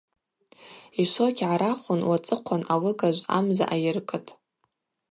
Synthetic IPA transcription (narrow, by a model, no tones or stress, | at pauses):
iʃʷokʲʰʕaɾaχʷʊnwat͡sʼɨqʷʰanawɨɡaʒʷa̰mza̰ʔajɪrkʼɨtʼ